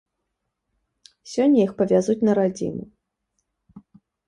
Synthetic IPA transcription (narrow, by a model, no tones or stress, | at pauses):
sʲɔnʲːɐjixpɐvʲazut͡sʲnɐɾad͡zʲḭnu